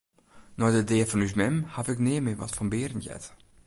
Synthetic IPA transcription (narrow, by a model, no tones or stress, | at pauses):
nɔdədeːfɔnysmɛmhavɪknɪːəmɪʋɔ̰tfɔnbɪːɾən̩jɛ̰t